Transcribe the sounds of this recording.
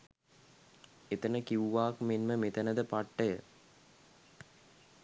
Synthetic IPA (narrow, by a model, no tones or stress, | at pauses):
et̪ənəkiuʋaːkmenməmet̪ənəd̪əpaʈːəjə̰